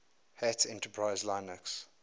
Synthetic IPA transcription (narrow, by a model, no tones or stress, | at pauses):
hætsɛ̰̃ntəpʰɹaɪzlãɪ̃nəks